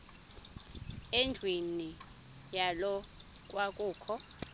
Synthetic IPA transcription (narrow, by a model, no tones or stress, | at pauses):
ɛnd͡ɮʱweni | jalɔk̬ʼwakʼuːkʰɔ